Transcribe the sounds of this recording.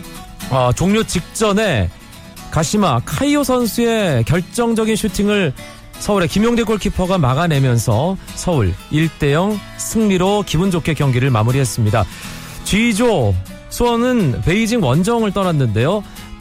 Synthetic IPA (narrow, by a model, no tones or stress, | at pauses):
ʌt͡ɕoŋɲot͡ɕik̚t͡ɕ͈ʌne̞ | kaɕʰimakʰaiosʰʌnsʰue̞kjʌɭt͡ɕ͈ʌŋd͡ʑʌɡinɕʰutʰiŋɯɭ | sʰʌuɾe̞kimjoŋdekoɭkʰipʰʌɡamaɣanemjʌnsʰʌsʰʌuɭiɭt͈e̞jʌŋ | sʰɯŋmiɾokibund͡ʑokʰe̞kjʌŋɡiɾɯɭmamuɾiɦe̞s͈ɯmɲida | t͡ɕɥid͡ʑo | sʰuʌnɯnpe̞id͡ʑiŋwʌnd͡ʑʌŋɯɭt͈ʌɾanːɯnde̞jo